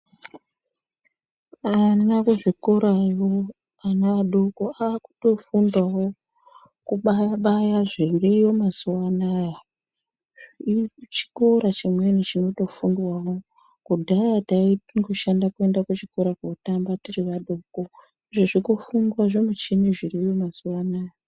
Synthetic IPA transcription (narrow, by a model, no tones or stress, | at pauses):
anakuʐikoɾajo | anaaɗoko̞aːku̥to̞fundwawo | kuɓaɓajaʐendijo̞mazuwanaja | t͡ʃi̥ko̞ɾat͡ʃimwe̞nit͡ʃino̞to̞fundwawo̞ | kudʱajataiŋɡoʃandakue̞ndakut͡ʃiko̞ɾakotambatiriʋaɗoko̞ | iʐoʐikofundwaʐomut͡ʃiniʐirijo̞mazuwanaːja